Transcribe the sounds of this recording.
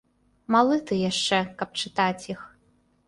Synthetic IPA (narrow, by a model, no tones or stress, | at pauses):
malˠɨt̪ɨjaʂt͡ʂɛkɐp̚t͡ʂɨt̪at͡sʲjix